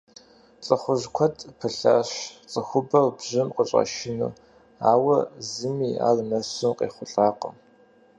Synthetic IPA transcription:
t͡sʼɐχʷʊʒkʷʰɔtʰʼpʰɨɬaːɕt͡sʼɐxʷʊbɐwbʑɪmqʼəɕʼa̰ʃɪnṵː | aːwɐzɨmiːa̰ːlnɐɕɨmqʼḛːχʷʊɬʼaːqəm

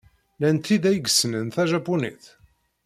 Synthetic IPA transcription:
lænt̪ːiðæjɡəsənənθæʒapːunḭθ

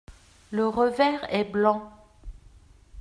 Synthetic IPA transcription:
ləʁəvɛʁɛblɑ̃

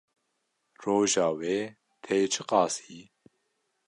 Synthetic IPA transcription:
roːʒɑːweː | t̪ʰeːt͡ʃʰɨqɑːsiː

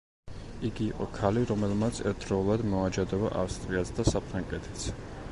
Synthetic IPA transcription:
iɡiːqʼɔkʰaliɾɔmɛlˠmat̪sʰɛɾt̪̚dɾɔulˠad̪mɔad͡ʒad̪ɔba̰ʔafst̪ʼɾiat̪sʰd̪asapʰɾaŋkʼɛt̪ʰɛ̥t̪sʰ

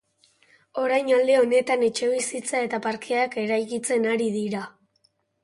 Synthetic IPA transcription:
o̞ɾajnald̪e̞o̞ne̞t̪ane̞t͡ʃe̞β̞isit͡sae̞t̪apaɾkeake̞ɾajkit͡se̞naɾiðiɾa

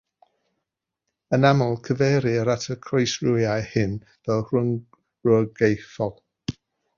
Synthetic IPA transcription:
ənamɔlˠkʰəvɛːɾiəɾatʰəkʰrejsrujajhɪn | vɛlˠʊ | ɹɔɡejθɔlˠ

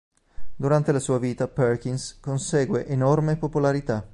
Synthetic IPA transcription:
d̪uɾant̪elasuːaviːt̪aperk̟inskonseːɡweʔenɔrmepopolaɾit̪a

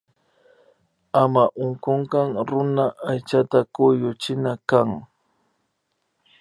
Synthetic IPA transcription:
amaʔʊŋkoɴkɑŋɾʊnaʔajt͡ʃat̪akʊjʊt͡ʃɪnakaŋ

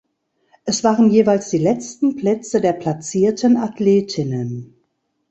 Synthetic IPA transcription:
ʔɛsv̥aːʁənjeːvaɪlsd̥iːlɛt͡stn̩pl̥ɛt͡sədeːɐpʰl̥at͡siːɐtʰənatʰleːtʰɪnən

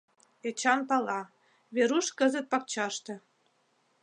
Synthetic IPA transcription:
et͡ɕɑnpɑlɑ | βeɾuʃkəzə̆t̪̚pɑk̚t͡ɕɑʃt̪ĕ

